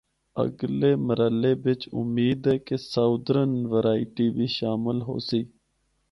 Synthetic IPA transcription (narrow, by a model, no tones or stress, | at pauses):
ə̰ɡleːməɾəleːbɪt͡ʃʊ̰miːd̪ɦɛːkesaːd̪ɾənʋəɾaːɪʈiːbiːʃaːmɪlɦo̰ːsiː